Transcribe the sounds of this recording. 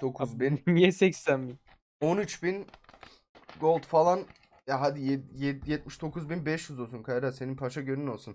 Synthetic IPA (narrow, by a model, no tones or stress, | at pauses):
d̪̥o̞kʰuzbinjɛsɛcsænbin | o̞nyt͡ʃbin | ɡo̞lˠd̪falˠan | jaɦad̪ijɛjɛjɛt̪̚miʃd̪o̞kʰuzbinbɛʃjyzo̞lˠsunkʰajɾase̞nimpʰat͡ʃaɟønyno̞lˠsun